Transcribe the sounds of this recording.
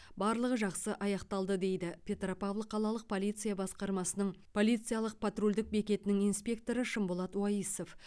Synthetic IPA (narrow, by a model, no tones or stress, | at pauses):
bɑɾlˠəʁəʒɑqsəʔɑjɑqt̪ɑlˠd̪əd̪e̞jd̪ɪpʲʰe̞t̪ropɑvlˠəqʰːɑlˠɑlˠəq̚pʰo̞lijt̪sɨjabɑsqɑɾmɑsənəɴpʰo̞lit̪sɨijalˠəq̚pʰat̪rolʲd̪ɪk̚be̞kʲe̞t̪ɪnɪŋijnspʲe̞k̚t̪o̞ɾəʃəmbolˠɑt̪wɑjiso̞f